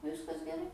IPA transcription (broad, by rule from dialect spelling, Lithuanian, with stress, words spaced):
ˈʋʲɪskɐs ɡʲɛˈrɐɪ